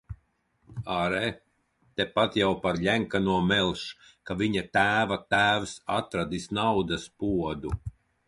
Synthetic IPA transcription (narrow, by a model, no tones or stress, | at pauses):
aɾɛ | t̪ɛpat̪jawpaɾʎʲæŋkanuɔmɛlˠʃkaviɲat̪æːvat̪æːwsat̪ɾad̪isnawd̪ɐspuɔd̪u